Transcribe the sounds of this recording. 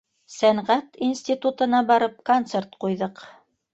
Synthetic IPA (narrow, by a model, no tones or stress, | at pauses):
sæɴʁæt̪insʲt̪ʲit̪ut̪ɤ̆nɑbɑɾɤpkont̪sert̪qujðɤq